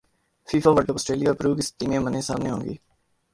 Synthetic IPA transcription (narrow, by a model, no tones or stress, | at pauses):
fiːfaʋəɽʈəpɔsʈɾeːlijaːɾpɾuːɡisʈiːmẽmənesa̰ːmneɦõːŋɡḭː